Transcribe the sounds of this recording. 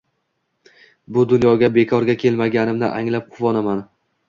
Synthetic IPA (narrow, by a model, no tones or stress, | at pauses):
bʊd̪ʊnjɒɡʲabe̞kʰɒɾɡʲakʲʰe̞lmaɡʲanɪmnɪʔaŋlap̚qʰʊvɒnaman